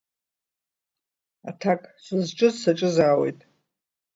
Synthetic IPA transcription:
atʰakʼsʷʊzt͡ʃʼɨzsaʈ͡ʂʼɨzaːwe̞̰jtʼ

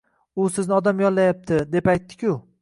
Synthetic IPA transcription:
ʊsɪznɪɒd̪amjɒnllajap̚t̪ʰɪd̪e̞pajt̪ʰːɪ̥kʲʊ

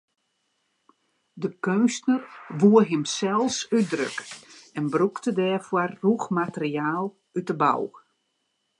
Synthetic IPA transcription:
dəkøːsnərʋuəɦɪmsɛlˠsydrø̰kɛnbruktədɛːfwɔrːuxmatəriaːlˠ | ytəba̰w

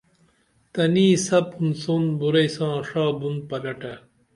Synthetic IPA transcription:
t̪ɐniːsɐpunsonbuɾɐjsãːʂaːbun̚pɐlɐʈɐ

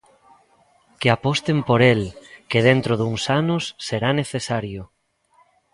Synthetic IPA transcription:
keapɔst̪empoɾelkeð̞ent̪ɾoðuŋsanʊsːeɾaneθesaɾjʊ

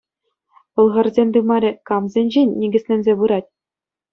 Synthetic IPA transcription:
ʋɤ̆lˠʁɤ̆rzʲenʲd̪ɯmɑɾʲɘ̆kɑmzʲenʲʑenʲːiɡʲɘ̆sʲlʲĕnʲzʲeβɯɾɑtʲ

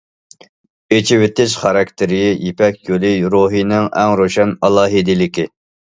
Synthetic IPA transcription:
et͡ʃʰɪwɪt̪ɪʃχɑɾɑkʲt̪ʰɪɾɪjijepʰɛkʲjolˠɪɾoɦijnɪŋɛŋɾoʃɛnɑlˠɑːɦid̪ɪlɪkʲi

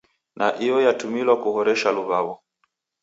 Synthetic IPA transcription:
naʔijɔjatumilwakuhɔɾɛʃaluβawɔ

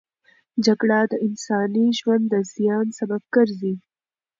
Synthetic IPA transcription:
d͡ʒaɡɽad̪əʔɪnsɑːniʒwand̪ːəzijɑːnsɐbab̚ɡəɾzi

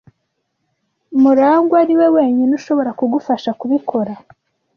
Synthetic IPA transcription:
muɾaːŋɡwaɾiwe̞we̞ːɲinuʃo̞βo̞ɾakuɡufaʃakuβikʰo̞ɾa

